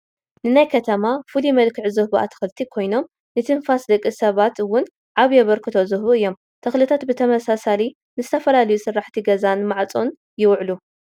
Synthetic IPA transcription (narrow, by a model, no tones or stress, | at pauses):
nɨnajkʰɐt̪ʰɐmafɨlimɐlkʰɨʕzɨhbɐʔa̰t̪ʰɨ̥xɨlt̪ʰikʰo̞jno̞m | nɨt̪ʰɨnfasd̪ɐkʼːisɐβat̪ɨwʊn | ʕaβjɛβɐɾkʰɨt̪ʰɐzɨhβuɨjːo̞m | t̪ʰɐxlɨt̪ʰat̪bɨt̪ʰɐmɐsasali | nɨzɨt̪ʰɐfɐlalɐjusɨrːaħt̪ʰiɡɐzanmaʕt͡sʼon | jɪwʕlu